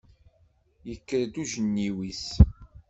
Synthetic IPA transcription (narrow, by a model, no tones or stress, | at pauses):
jəkːəɾd̪uʒənːiwis